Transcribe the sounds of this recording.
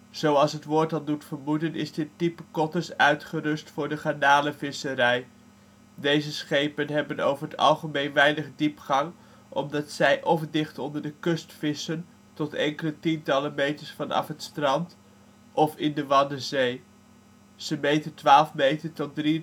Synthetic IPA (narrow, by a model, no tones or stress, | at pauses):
z̥owɑlˠsɦətʋʊːɹtɑlˠdutfəɹmudənɪ̰zdətipəkɔtəɹsœɥtχərɵstfʊːɹdəχanaːləvɪsəɾɛj | dejzəsχejpənɦɛbəno̰wvəɹɦətɑ̰lˠχəmejnʋɛjnəχdipχɑŋ | ʔɔ̰mdɑtsɛjʔɔfdɪχtɔndəɹdəkɵstfɪsən | tɔtɛ̰ŋkələtintɑləmejtəɹsfɑnɑ̰fətstrɑnt | ʔɔfɪndəʋɑnəzej | z̥əmejtəntʋaːlˠfmejtəɹtɔt̚dri